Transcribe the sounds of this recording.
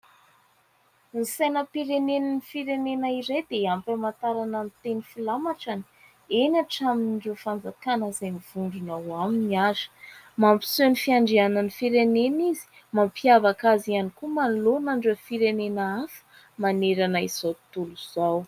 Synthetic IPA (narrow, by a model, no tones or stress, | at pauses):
nisajnəpiɾenennifiɾenenaiɾajd̪eampamant̪aɾananit̪enifilamaʈ͡ʂani̥ | enaʈ͡ʂaminiɳɖ͡ʐefand͡zakanəzajmiv̥uɳɖ͡ʐunawaminiazə̥ | mampi̥senifiaɳɖ͡ʐianənifiɾenenizi̥ | mampiavakazianikumanlonaɳɖ͡ʐəfiɾenenaafə̥ | maneɾanaiz̥awt̪uluz̥aw